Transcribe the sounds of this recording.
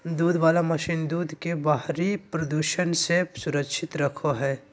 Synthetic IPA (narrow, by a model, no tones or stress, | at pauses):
d̪uːd̪ʋaːlamɐʃind̪uːd̪ʱkebaɦɾipɾɐd̪uːʃənsesʊɾəkʃʰɪt̪ɾɐkʰoɦɛː